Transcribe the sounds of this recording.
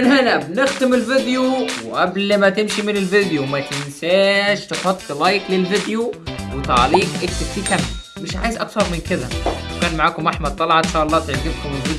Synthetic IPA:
ʔɪnhalbnɪxt̪ɪmɪlvɪd̪juwʔablmæt̪ɪmʃimɪnɪlvɪd̪jumæt̪ɪnsæːʃt̪ɪħɑt̪ˤːlɑjklɪlvɪd̪juwɪt̪a̰ʕliːkʔeːʃt̪ɪft̪iːkammɪʃʕa̰ːjɪzʔɑkθɑɾˤmɪnkɪd̪æwkæːnmaʕaːkʊmʔaħmad̪̚t̪ˤɑlɑʕɑnʃaːʔɑlˤːɑːt̪ɪʕɡɪbkʊmɪlvɪd̪

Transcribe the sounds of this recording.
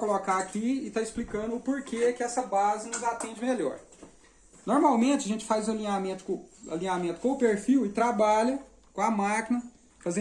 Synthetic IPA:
kolokaakiɪt̪aɪsplikɐ̃d̪ʊːpoɾkeɛkɪɛsɐbazɪnʊzat̪ẽd͡ʒɪmeʎɔ̰ɾ | noɾmawmẽnt͡ʃɪɐʒẽnt͡ʃɪ̥fazɐlĩɲamẽnt̪ʊ̥ɐ̰lĩɲamẽt̪ʊ̥kõʊpeɾfiwɪt̪ɾabaʎɐ | kõɐmakinɐ | fazẽ

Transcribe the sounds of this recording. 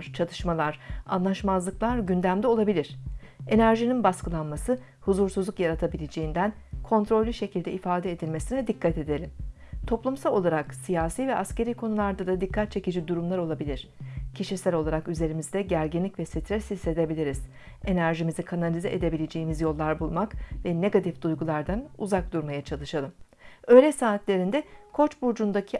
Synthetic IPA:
ɾt͡ʃʰat̪ʰɯʃmalˠaɾ̥a̰nlˠaʃmazlˠɯklˠaɾɟynd̪æmd̪ɛo̞lˠabilʲiɾ̥e̞næɾʒininbaskɯlˠanmasɯ | huzuɾsuzlˠukjaɾat̪ʰabilʲe̞d͡ʒe̞jind̪ænkʰo̞nt̪ɾo̞lʲːyʃe̞cʰilʲd̪ɛifaːd̪ɛed̪ilʲme̞sinɛd̪ikʰːat̪e̞d̪e̞lʲim | t̪ʰo̞plˠumsalˠo̞lˠaɾaksijaːsiːvɛʔasce̞ɾiːkʰo̞nulˠaɾd̪ad̪ad̪ikʰːat̪̚t͡ʃʰe̞cid͡ʒid̪uɾumlˠaɾo̞lˠabilʲiɾ̥cʰiʃisælʲo̞lˠaɾakyze̞ɾimizd̪ɛɟæɾɟinlʲicvɛsit̪ʰɾɛshise̞d̪e̞bilʲiɾiz̥ | e̞næɾʒimizikʰanalʲizɛʔed̪e̞bilʲe̞d͡ʒejimizjo̞lˠːaɾbulˠmakvɛne̞ɡat̪ʰifd̪̥ujɡulˠaɾd̪anṵzak̚d̪̥uɾmajat͡ʃʰalˠɯʃalˠɯm | ø̞ːjlʲɛsaːt̪lʲe̞ɾind̪ɛkʰo̞t͡ʃbuɾd͡ʒund̪acʰi

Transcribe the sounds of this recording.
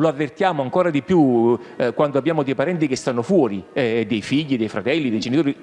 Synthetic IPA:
loavːert̪jaːmoaŋkoːɾad̪ipjukwand̪oabːjaːmod̪ejpaɾɛnt̪ikest̪anːofwɔːɾid̪ejfiʎːid̪ejfɾat̪ɛlːid̪ejd͡ʒenit̪oːɾi

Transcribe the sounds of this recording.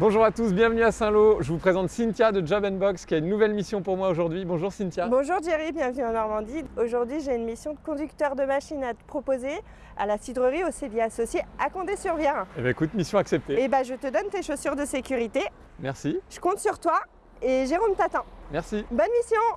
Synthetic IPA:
bɔ̃ʒuʁat̪usbjɛ̃vnyasɛ̃loʒəvupχezɑ̃t̪sint̪jad̪əʒabɛnbɔkskʲiaynːuvɛlmisjɔ̃puʁmwaoʒuʁd̪ɥibɔ̃ʒuʁsint̪jabɔ̃ʒuʁʒeʁibjɛ̃vnyɑ̃nɔʁmɑ̃d̪id̪oʒuʁd̪ɥiʒeynmisjɔ̃d̪əkɔ̃d̪ykt̪œʁd̪əmaʃinat̪ə̥pχɔpoze | a̰lasid̪ʁəʁiosebjasɔsjeakɔ̃d̪esyʁvjɛʁebãekut̪misjɔ̃aksɛp̚t̪eebaʒət̪əd̪ɔnt̪eʃosyʁd̪əsekʲyʁit̪e | mɛʁsiʒ̥əkɔ̃t̪syʁt̪wa | eʒeʁomt̪at̪ɑ̃mɛʁsibɔnmisjɔ̃

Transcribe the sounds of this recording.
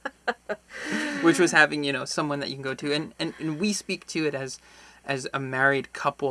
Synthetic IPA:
wɨt͡ʃwʌz̥hævɪ̃ŋjɨñoʊsʌ̃mwʌ̃nðɨt͡ʃɨkʰn̩ɡoʊɾʉɨ̃nɨ̃nɨ̃nwispik̚tʰɨɨɾɨzʔɨzɨmɛɹid̚kʰʌpl̩ˠ

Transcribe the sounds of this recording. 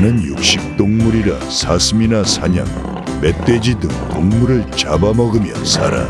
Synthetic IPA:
nɯnjuk̚ɕ͈ip̚t͈oŋmuɾiɾa | sʰasʰɯminasʰaɲa̰ŋ | me̞t͈ed͡ʑidɯŋtoŋmuɾɯɭt͡ɕabamʌɡɯmjʌ̰sa̰ɾa̰

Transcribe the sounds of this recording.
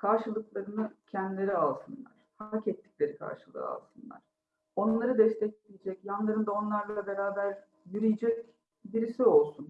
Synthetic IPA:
kʰaɾʃɯlˠɯklˠaɾɯnɯcʰɛnd̪ilʲe̞ɾialˠsɯnlˠa̰ɾ̥hacɛt̪ːi̥cʲlʲe̞ɾikʰa̰ɾʃɯlˠɯ̰ɾɯ̰a̰lˠsɯnlˠa̰ɾ̥ | o̞nlˠaɾɯd̪ɛst̪ʰɛcelijed͡ʒɛcjanlˠaɾɯnd̪ao̞nlˠaɾlˠabe̞ɾaːbæɾ | jyɾijid͡ʒɛc | biɾisio̞lˠsun

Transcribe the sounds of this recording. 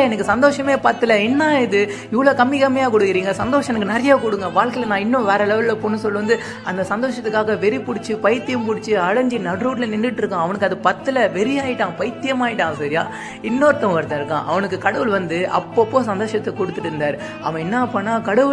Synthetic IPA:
ɛnɐkːɯsɐnd̪oːʂɐmeːpɐt̪ːɯlɐɛnːaːɪðɯ | ɪʋːɐɭoːkɐmːɪkɐmːɐjaːkɔɽɯkːɪɾiːŋɡɐsɐnd̪oːʂɐ̃ɛnɐkːɯnɐɾɐjaːkɔɽɯŋɡɐʋaːɭkɐɪlɐnãːɪnːʊ̃ʋɛːɾɐlɛʋɐlɐpoːnːɯsɔlːɯʋɐnd̪ɯ | ɐnd̪ɐsɐnd̪oːʂɐt̪ːɯkːaːɣɐʋɛɾipʊɽɪt͡ʃːɯpɐjɾt̪ːɪjɯmpʊɽɪt͡ʃːɯɐɻɐɲd͡ʒinɐɖɾuːʈlɐnɪɳɖɪʈːɪɾɯkːãɐʋɐnɯkːɐðɯpɐt̪ːɯlɐʋɛɾɪjaːjɪʈːãːpɐjt̪ːɪjɐmaːjɪʈːãːŋɐsɐɾɪja̰ː | ɪnːoːɾt̪ːɐ̃ʋɐɾt̪ɐ̃ɪɾɯkːã̰ːʔɐ̰ʋɐnɯkːɯkɐɽɐʋɯɭʋɐnd̪ɯʔɐ̰pːopːoːsɐnd̪oːʂɐt̪ːɛkɔɽɯt̪ːɯʈɯɾɯnd̪aːɾ | ɐ̰ʋɐ̃ɛnːaːpːɐːnːaːkɐɽɐʋɯ

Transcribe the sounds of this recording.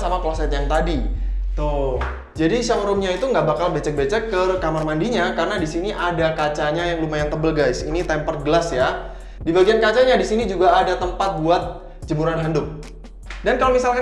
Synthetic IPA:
samaklɔsɛt̪jaŋt̪adit̪ʊ | d͡ʒadiʃakɾʊmɲait̪uŋɡaʔbakalbet͡ʃɛk̚bet͡ʃɛkːəkamarmandiɲakarənadisiniʔadakat͡ʃaɲajaŋlumajaŋt̪əbəlɡajsḭnit̪ɛmpərɡəlasja | dibaɡiankat͡ʃaɲadisinid͡ʒuɡaːdat̪əmpat̪̚buat̪̚ | d͡ʒəmuɾanɦəndʊk̚ | dankalomisalka

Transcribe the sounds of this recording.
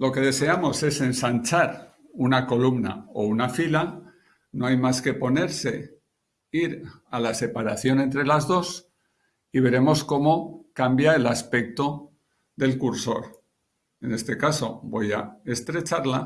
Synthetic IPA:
lo̞ke̞ð̞e̞se̞amo̞se̞se̞nsant͡ʃaɾ | unako̞lumna̰o̞̰unafila | no̞ajmaske̞po̞ne̞ɾse̞ | iɾalase̞paɾaθjo̞ne̞nt̪ɾe̞lazðo̞s | iβ̞e̞ɾe̞mo̞sko̞mo̞kambjae̞laspe̞k̚t̪o̞ | ðe̞lkuɾso̞ɾ | e̞ne̞st̪e̞kaso̞̰bo̞jae̞st̪ɾe̞t͡ʃaɾla̰

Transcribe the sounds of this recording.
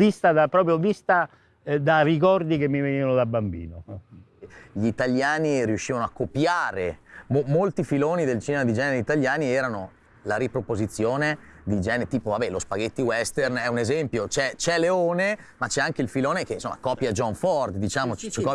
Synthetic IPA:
ist̪ad̪apɾɔːp̬ɾjovist̪a | d̪arikɔrd̪ikemːiveniːvanod̪abambḭːno | ʎit̪aljaːniɾiuʃːiːvanoakːopjaːɾemomolt̪ifiloːnid̪elt͡ʃinemad̪id͡ʒɛːneɾeit̪aljaːniɛːɾano | laɾipɾopozit̪sːjoːne | d̪id͡ʒɛːneet̪iːpovabɛlospaɡet̪ːiwɛst̪ernɛunezɛmpjot͡ʃɛt͡ʃɛleoːnemat͡ʃɛaŋkeilfiloːnek̟einsomːʔakɔpjad͡ʒɔɱfɔrd̪d̪it͡ʃaːmot͡ʃt͡ʃikɔ

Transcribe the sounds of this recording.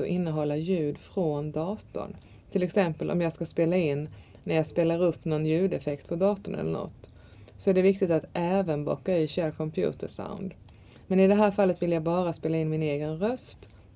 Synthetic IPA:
ɔʔɪnːəɦɔlːajʉ̟ːd̪fɾɔnd̪ɑːt̪ɔ̰n | t̪ʰɪlɛksɛmpəlʔɔ̰mjɑːɡskaspeːlaɪnː | nːæɾjɑːɡspeːlaɾɵpːnɔnjʉ̟ːd̪ɛfɛkt̪̚pʰɔd̪ɑːt̪ɔnɛ̰lːəɳɔ̰t̪ː | sɔæɖɛvɪk̚t̪ɪt̪at̪ʔɛːvənbɔ̰kːaiːɕɛɾkʰɔmpʰjṵːt̪əʂa̰ʊnd̪ | mɛnɪd̪ɛɦæːɾfalːət̪vɪljaɡbɑːɾaspeːlaɪnmɪneːɡənɾœst̪

